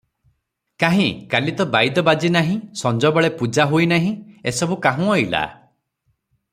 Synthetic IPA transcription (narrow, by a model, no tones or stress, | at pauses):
kaɦĩkalit̪ɔbajd̪ɔbad͡ʒinaɦĩsɔnd͡ʒɔbɔɭepud͡ʒaɦoinaɦĩesɔbukaɦũɔjla̰